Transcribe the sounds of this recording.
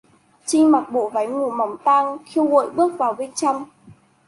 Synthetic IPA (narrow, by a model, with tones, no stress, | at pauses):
t͡ɕï˧ŋ̟ma˨˩k̚ɓo̰˧˨va˨˦jŋu˨˩ma˨˦wŋ͡mt̪aː˧ŋxi˧əwɣo̰˧˨jɓɨ˦˥ək̚vaː˨˩wvi˧ŋt͡ɕa˧wŋ͡m